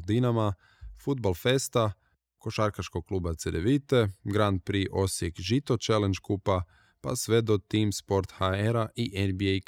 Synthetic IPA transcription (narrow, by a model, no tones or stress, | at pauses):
d̪inama | fud̪balˠfe̞st̪a | ko̞ʃaɾkaʃkoɡ̚kluːbat̪sed̪eʋit̪e̞ɡɾand̪̚pɾiʔo̞sjekʒit̪o̞t͡ʃelend͡ʒkupa | pa̰sʋe̞d̪ot̪iːmspo̞ɾt̪xaeɾaʔiʔenbiejk